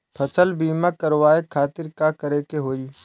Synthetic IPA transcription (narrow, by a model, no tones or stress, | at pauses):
pʰɐsəlbiːmakɐɾwaːekʰaːt̪ɪɾkakəɾeːkeɦoːiː